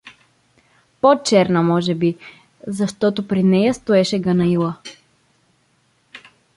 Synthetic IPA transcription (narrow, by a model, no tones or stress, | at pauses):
pot͡ʃɛɾnəmɔʒɛbi | zɐʃt̪ɔt̪opɾinɛjəst̪oɛʃɛɡɐnɐilˠə